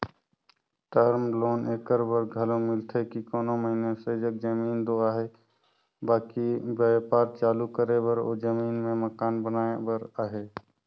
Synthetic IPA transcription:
ʈəɾmloːneːkəɾbəɾɡʱəlõmɪlt̪ʰekikɔːnoməɦinesed͡ʒəɡ̚d͡ʒəmiːnd̪oːaːɦe | baːkibaːpaːɾt͡ʃaːlukəɾebəɾo̰ːd͡ʒəmiːnmẽməkaːnbənaːebəɾaːɦeː

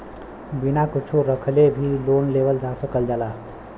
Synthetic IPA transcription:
binakʊt͡ʃʰuɾəkʰlebʱiloːnlebəld͡ʒasəkəld͡ʒala

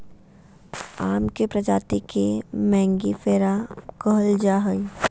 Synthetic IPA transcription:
aːmkepɾɐd͡ʒaːt̪ikemɛ̃ːŋɡifeːɾakəɦəld͡ʒaːɦəi

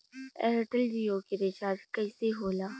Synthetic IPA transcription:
ɛ̰ɾʈəld͡ʒioːkiɾɪt͡ʃaːɾd͡ʒkɛːseɦoːlaː

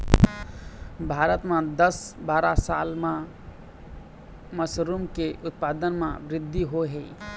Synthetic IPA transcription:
bʱaɾət̪mãd̪əsbaːɾasa̰lmã | məsɾumkeʔʊt̪̚pad̪ənmãbɾɪd̪ʱːiɦoɦe

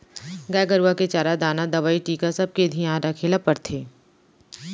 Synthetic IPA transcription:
ɡaːɡəɾuʋaket͡ʃaːɾad̪aːnad̪ɐʋaːiʈiːkasɐb̚ked̪ʱijãɾakʰelapɐɾt̪ʰeː

